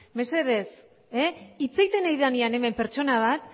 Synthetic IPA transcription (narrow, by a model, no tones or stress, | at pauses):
me̞se̞ðe̞s | eit͡sejt̪e̞najðaniane̞me̞mpe̞ɾt͡ʃo̞naβ̞at̪